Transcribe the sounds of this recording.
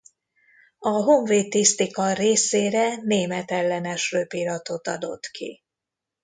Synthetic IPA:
ɒɦoɱveːt̪ːist̪ikɒreːseːɾɛneːmɛt̪ɛlːɛnɛʃrøːpiɾɒt̪o̞t̪ɒ̰d̪o̞̰t̪kʰḭ

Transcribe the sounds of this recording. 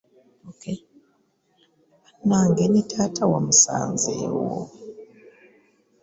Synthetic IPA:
okʰe | naːŋɡenitʰaːtʰawamusa̰ːnzḛːwo̰

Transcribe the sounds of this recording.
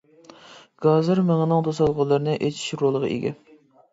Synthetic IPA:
ɡ̥ɑzɨɾmeŋənɨŋd̪ʰosɑlˠʁɑlˠːəɾɨnɨʔet͡ʃʰi̥ʃɾolˠəʁɑ̰ʔḛɡʲɛ̰

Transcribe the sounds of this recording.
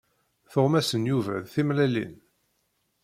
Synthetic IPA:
θʊʁmæsənjuvæ̰ðθimlælḭn

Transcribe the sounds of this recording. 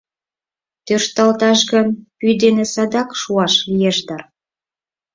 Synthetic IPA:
t̪ørʃt̪ɑlt̪ɑʃɣənpyd̪enesɑd̪ɑkʃuɑʃlijeʃd̪ɑr

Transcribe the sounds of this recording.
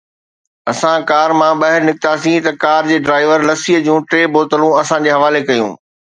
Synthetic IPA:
ɐsãkaːɾmãɓɐɦɪɾnɪk̚t̪asĩt̪ɐkaːɾd͡ʑeːɖɾaːɪʋəɾlɐsiɦəd͡ʑũːʈɾeːboːt̪əlũɐsãd͡ʑeːɦɐʋaːlekɐjṵ̃ː

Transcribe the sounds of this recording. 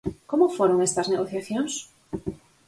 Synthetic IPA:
komofoɾoŋest̪ɐzneɣoθjaθjoŋs

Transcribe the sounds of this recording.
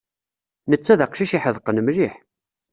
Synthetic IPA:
nət͡sːæðəqʃiʃiħəðˤqənəmliħ

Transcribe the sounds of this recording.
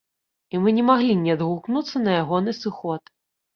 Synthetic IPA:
imɨnʲɛmaɣlʲinʲɛd̪ɣuknut̪sːɐnɐjaɣɔnɨsɨxɔt̪

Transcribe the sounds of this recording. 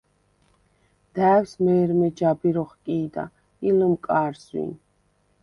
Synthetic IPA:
d̪̥æːwsmɛːɾmɛd͡ʒabiɾɔχkʼiːd̪a̰ | iləmkʼaːɾzwḭn

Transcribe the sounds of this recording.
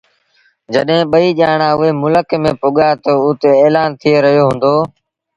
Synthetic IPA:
d͡ʒəɗɦẽːɓəiːʄaːɳãːʊɦeːmʊləkmẽːpoːɠaːt̪oʊt̪eːeːlaːnt̪ʰɪeːɾəɦijoːɦʊ̃ːnd̪oː

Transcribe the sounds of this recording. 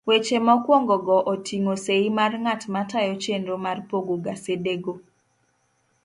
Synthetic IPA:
wet͡ʃemɔkwɔŋɡɔɡɔʔotʰiŋoseimarŋatmatajɔt͡ʃendomarpoɡoɡasedeɡo

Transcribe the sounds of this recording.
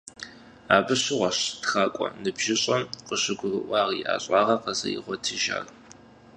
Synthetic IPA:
aːbɨɕɪʁʷɐɕtxaːkʷʼɔ̰nɨbʒ̥ɪɕʼɐmqəɕɪɡʷʊɣɨʔʷɑːʁiʔa̰ːɕʼɑːʁɐqɐzɐ̰jɪʁʷɔtʰiʒa̰ːr

